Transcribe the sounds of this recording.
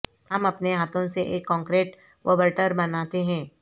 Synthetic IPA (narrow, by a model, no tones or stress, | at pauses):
hɐmɐpneɦaːt̪ʰõseʔeːkːɔ̃ːŋkɾeːʈ | ʋəbəɾʈəɾbɐnaːt̪eɦɛ̃ː